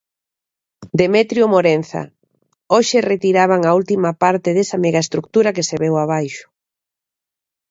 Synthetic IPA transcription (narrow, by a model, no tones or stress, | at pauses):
d̪emɛt̪ɾjomoɾen̟θa̰ | oʃeret̪iɾaβaŋault̪imapaɾt̪ɪðesɐmeɣaest̪ɾuk̚t̪uɾɐkeseβɛwaβ̞ajʃʊ̥